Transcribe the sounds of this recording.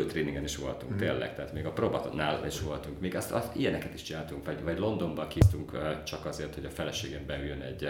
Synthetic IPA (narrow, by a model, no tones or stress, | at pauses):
lt̪reːniŋɡɛniʃʋo̞lt̪uŋkt̪eːlːɛ̰kt̪ɛɦaːt̪meːɡɒprobɒt̪naːliʃʋo̞lt̪uŋkmeːɡɛst̪ɒijɛnɛkɛt̪iʃt͡ʃinaːlt̪uŋkvɒɟvɒɟlo̞nd̪o̞mbɒkiːst̪uŋkːt͡ʃɒkɒzeːrt̪ho̞ɟɒfɛlɛʃeːɡɛmbɛyjønɛɟ